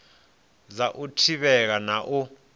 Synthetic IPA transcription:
zaʔutʰiɓɛk̬anaʔu

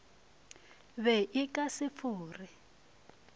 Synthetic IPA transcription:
βɛʔɪkʼasɪp̪fuːri

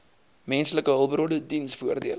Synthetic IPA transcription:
mɛnsələkəɦəlˠbəɾodədinsfuərdiəl

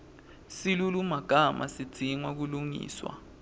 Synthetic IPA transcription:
silulumaɡ̥ʱamʔa̰sid̥d͡z̥ʱiŋwak̬uluŋḭːswa̰

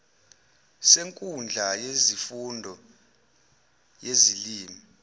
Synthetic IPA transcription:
seŋkʼund͡ɮʱajezifundʱɔ | jeziliːmi

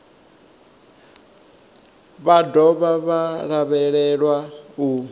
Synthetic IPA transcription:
βadɔβaβaɺaβɛɺɛɺwau

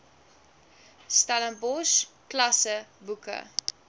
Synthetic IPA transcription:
stalənbɔʃklɐsəbukə̰

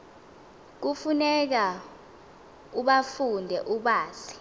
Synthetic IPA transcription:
k̬ufunɛk̬a | uɓafundʱɛʔuɓaːsi̥

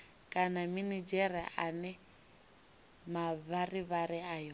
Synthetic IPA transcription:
kʼanaminid͡ʒɛriʔanɛ | maβariβariaːjɔ

